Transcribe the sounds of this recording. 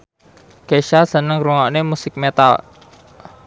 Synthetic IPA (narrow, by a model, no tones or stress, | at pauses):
keʃasənəŋɾuŋɔʔnemusɪk̚met̪a̰l